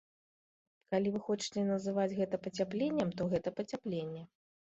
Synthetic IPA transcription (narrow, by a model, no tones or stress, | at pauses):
kalʲivɨxɔt͡ʂɨ̥t͡sʲɛnɐzɨvad͡zʲɣɛt̪ɐpɐt͡sʲaplʲenʲːɛmt̪ɔɣɛt̪ɐpɐt͡sʲaplʲenʲːɛ